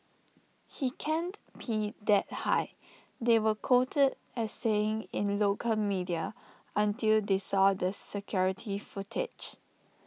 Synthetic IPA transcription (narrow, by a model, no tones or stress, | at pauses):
hikʰɛ̃nbidɛt̚ha̰ɪ | dewəkʰotʰəd | ɛsːeɪ̃ŋɪ̃nlokʰəlmidiə | ə̃ntildesɔdəsɛkʰjɔɹitʰifʊtʰɪ̰d͡ʒ